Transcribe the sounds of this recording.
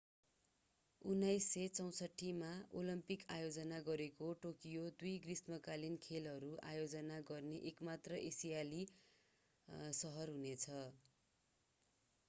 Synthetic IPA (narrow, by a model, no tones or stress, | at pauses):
unːajsːʌt͡sʌw̃sʌʈʰːimaolʌmpikajod͡zʌnaɡʌɾekoʈokijod̪ujɡrismʌkalinkʰelɦʌɾuajod͡zʌnaɡʌrneʔekmat̪rʌʔesijali | sʌɦʌrɦunet͡sʰʌ